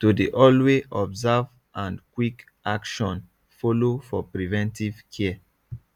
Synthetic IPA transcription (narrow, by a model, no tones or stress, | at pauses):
todeʔɔlweʔɔbzav | ãnkwik | akʃɔ̃n | folofɔpɹivɛ̃ntiv̥kʰɛ